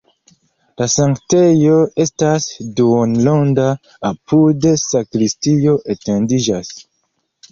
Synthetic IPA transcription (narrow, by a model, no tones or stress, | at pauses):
lasaŋkte̞jo̞e̞stasduonlondaː | pudesakɾistio̞ʔetendid͡ʒas